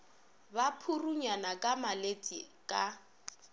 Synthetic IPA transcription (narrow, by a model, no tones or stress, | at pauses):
bapʰuruɲanakʼamalet͡sʼi | kʼa